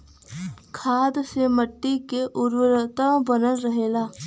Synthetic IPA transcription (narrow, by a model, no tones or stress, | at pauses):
kʰaːd̪seməʈːikeʔʊɾwəɾət̪abənənɾəɦeːlaː